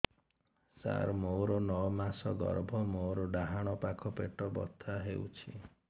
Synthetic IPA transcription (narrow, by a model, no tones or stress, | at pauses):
sa̰ɾmoɾɔnɔmasɔɡɔ̰ɾbʱɔmoɾɔɖaɦaɽ̃ɔpakʰɔpeʈɔbɔ̰t̪ʰːaɦeut͡ʃʰi